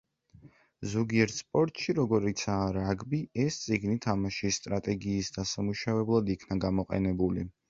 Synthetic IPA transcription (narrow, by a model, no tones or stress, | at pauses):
zɔɡiɛɾt̪spʼɔɾt̪ʼʃiɾɔɡɔɾit̪sʰaːɾaɡbiɛst̪sʼiɡnit̪ʰamaʃisːt̪ʼɾat̪ʼɛɡiːsd̪asamuʃavɛblˠad̪ikʰnaɡamɔqʼɛ̰nɛbuli